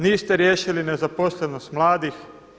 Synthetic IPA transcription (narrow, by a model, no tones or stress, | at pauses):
niːst̪eɾjeːʃilinezaposleno̞st̪mlˠaːd̪ix